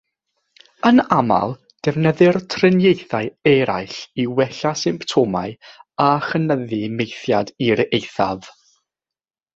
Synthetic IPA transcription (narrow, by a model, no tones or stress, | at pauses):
ənama̰lˠ | d̥ɛvnəðɨrtʰrɪnjejθaɨɛɾaɨɬiwɛɬasɪmptʰoma̰ɨaχənəðimejθjadiɾejθav̥